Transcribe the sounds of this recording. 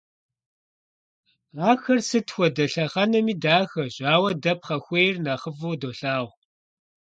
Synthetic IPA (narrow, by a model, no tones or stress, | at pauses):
aːxɐrsɨtxʷɔdɐɬɐχɐnɐmiːdaːxɐʑaːwɐdɐp̚χɐxʷeːjrnaːχəvoːdoːɬaːʁʷ